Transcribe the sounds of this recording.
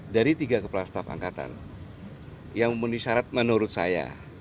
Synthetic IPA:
daɾit̪iɡakəplast̪afa̰ŋkat̪a̰n | jaŋməniʃaɾat̪̚mənuɾʊt̪̚sa̰ja̰

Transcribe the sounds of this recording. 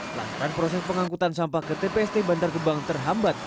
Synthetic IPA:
la̰t̪aɾanpɾosɛspəŋaŋkut̪ansampahkət̪epeɛst̪ebant̪arkəbaŋt̪ərɦambat̪̚

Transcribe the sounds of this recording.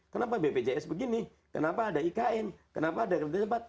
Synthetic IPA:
kənap̬abeped͡ʒaɛsbəɡini | kənapaːdaikaʔɛnkənapaːdakərd͡ʒat͡ʃəbat̪̚

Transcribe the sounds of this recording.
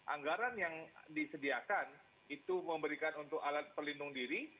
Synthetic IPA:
ʔa̰ŋɡaɾanjaŋdisədiakan | it̪uməmbəɾikanunt̪ʊkalat̪̚pərlindʊŋdiɾi

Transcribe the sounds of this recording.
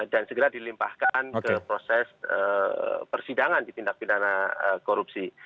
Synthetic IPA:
dansəɡəɾadilimpahkankəpɾosɛsə̰pərsidaŋandit̪indak̚pidanaəkoɾup̚si

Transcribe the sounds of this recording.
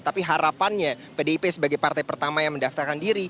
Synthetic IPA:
t̪apiɦaɾapanɲa | pedeipesəbaɡajpart̪ajpərt̪amajaŋməndaft̪arkandiɾi

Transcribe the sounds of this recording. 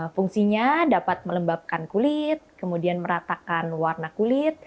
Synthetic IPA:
fuŋsiɲadapat̪̚mələmbap̚kankulɪt̪̚kəmudianməɾat̪akanwarnakulɪt̪̚

